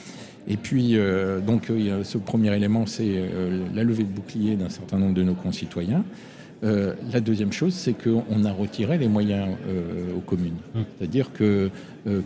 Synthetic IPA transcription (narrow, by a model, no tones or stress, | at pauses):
epɥiød̪ɔ̃ksəpχəmjɛʁelemɑ̃sɛlaləved̪əbuklijed̪ɛ̃sɛʁt̪ɛ̃nɔ̃bʁd̪ənokɔ̃sit̪wajɛ̃ | ølad̪øzjɛmʃozsɛkʰəɔ̃naʁət̪ʰiʁelemwajɛ̃øokɔmynse̥t̪ad̪iʁkʰə | ø